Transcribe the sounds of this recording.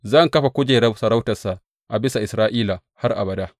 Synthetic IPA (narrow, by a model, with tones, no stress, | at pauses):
zɐ˦˨ŋkɐ˦ɸa˨kʷʊ˦d͡ʒeː˨ɾɐ˦sɐ˨ɾa˦wtɐ˨sa˨ | ʔa˨bɪ˦sa˨ʔɪ˨sɾaː˦ʔiː˦la˨ | ha˦rʔa̰˨bɐ˨daː˦